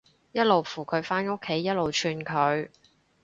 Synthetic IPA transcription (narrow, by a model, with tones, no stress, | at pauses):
jɐ˥t̚lo˨wfuː˨˩kʰɵ˨˧ɥfaː˥no˥kʰːe˨˥jːɐ˥t̚lo˨wt͡ʃʰyː˧nkʰɵ˨˧ɥ